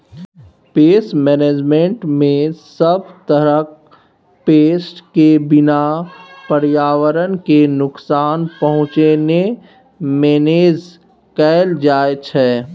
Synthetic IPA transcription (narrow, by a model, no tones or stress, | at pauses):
peːsʈmɛːneːd͡ʒmẽɳʈmẽsəb̚t̪əɾək | peːsʈkebɪnapəɾjaːwəɾənkenʊksaːnpəɦʊ̃t͡ʃene | meːneːd͡ʒ | kɛːld͡ʒaːet͡ʃʰɛː